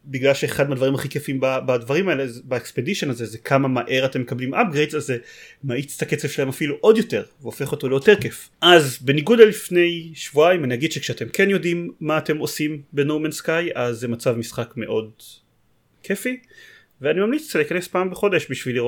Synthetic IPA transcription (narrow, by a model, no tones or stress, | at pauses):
biɡlalʃeeχadmead̪vaʁimaχikefiimbabad̪vaʁimaelezbaekspediʃo̞nazezekʰamamaʔe̞ʁate̞mːe̞kablimʔap̚ɡʁejdzazemait͡st̪aket͡sev̥ʃelahemafiluʔo̞d̪jo̞te̞ʁveofe̞χo̞to̞lejo̞te̞ʁkef | ʔazbe̞niɡudalifne̞jʃvuaimanijaɡid̥̪ʃekʃeate̞mkʰe̞njo̞dimːaːte̞mo̞simbenowmenskajazːemat͡savmisχakme̞ʔo̞d | kʰe̞fi | veanimamlit͡sliːkanespaːmbeχo̞de̞ʃbiʃviliʁo